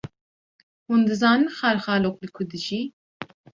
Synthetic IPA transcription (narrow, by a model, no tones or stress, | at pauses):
hund̪ɨzɑːnɨnxɑɾxɑːloːk̚lɨkʰʊd̪ɨʒiː